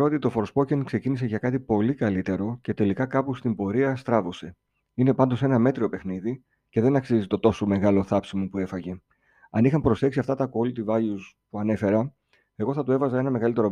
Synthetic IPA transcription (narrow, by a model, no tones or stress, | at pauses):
ɾot̪it̪o̞fo̞ɾspo̞ceŋkse̞cinis̬e̞ʝɐkɐt̪ipo̞likɐlit̪e̞ɾo̞ce̞t̪e̞likɐkɐpust̪imbo̞ɾiɐst̪ɾɐvo̞se̞ | ine̞pɐnd̪o̞se̞nɐme̞t̪ɾio̞pe̞xniði | ce̞ðe̞nɐksizit̪o̞t̪o̞so̞me̞ɣɐlo̞θɐpsimopue̞fɐʝe̞ | ɐ̰nixɐmpɾo̞sθe̞ksiɐft̪ɐt̪ɐko̞lt̪ivɐʝuspuɐne̞fe̞ɾɐ | e̞ɣo̞θɐt̪ue̞vɐzɐe̞nɐme̞ɣɐlit̪e̞ɾo̞